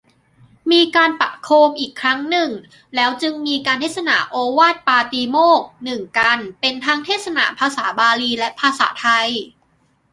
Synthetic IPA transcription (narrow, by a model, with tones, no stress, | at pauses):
miː˧kaː˧npa̰˨˩ʔkʰoː˧mʔiː˨˩kʰːɾa˦˥ŋnɯ˨˩ŋ | lɛː˦˥wt͡ɕɯ˧ŋmiː˧kaː˧nt̪ʰeː˥˩t̪̚sa˧na̰˩˦ʔoː˧waː˥˩t̪̚paː˧t̪iː˧moː˥˩k̚nɯ˨˩ŋka˧npe˧nt̪ʰaː˦˥ŋt̪ʰeː˥˩t̪̚sa˧na̰˩˦pʰaː˧saː˩˦baː˧liː˧lɛ˦˥ʔpʰaː˧sa̰ː˩˦t̪ʰa˧j